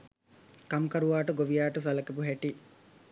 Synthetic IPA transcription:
kɐmkɐɾuʋaːʈəɡoʋijaːʈəs̬ɐlɐkepuɦɛʈi

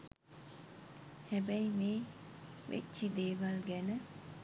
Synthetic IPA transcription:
hɛbɐjmeː | ʋḛtːt͡ʃid̪eːʋalɡɛnə

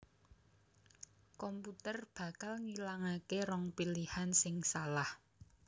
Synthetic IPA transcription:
kɔmput̪ərb̥ä̤kalŋilaŋakerɔŋpilihansɪŋsalah

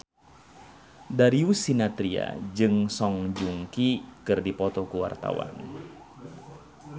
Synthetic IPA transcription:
daɾiusinat̪ɾia̰d͡ʒɨŋsɔŋd͡ʒuŋkikɨrdipɔt̪ɔkuwa̰rt̪a̰wa̰n

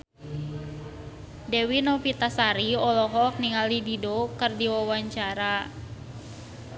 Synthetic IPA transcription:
dɛwinɔpit̪asaɾiɔlɔɦɔk̚niŋalididokərdiwawaɲt͡ʃaɾa

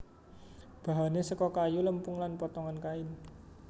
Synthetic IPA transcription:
b̥a̤ɦanesəkɔkajuləmpʊŋlanpɔt̪ɔŋankaɪn

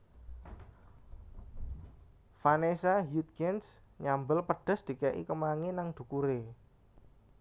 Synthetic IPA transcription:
fanesaɦjut̪̚kɛns | ɲambəlpəɖ̥ɔ̤sd̪̥i̤kɛʔḭkəmaŋenaŋd̪̥ṳkuɾe

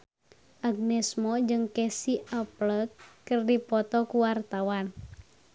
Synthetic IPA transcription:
ʔaɡ̚nɛsmɔd͡ʒɨŋkesiʔəpləkːərdipɔt̪ɔkuwart̪awan

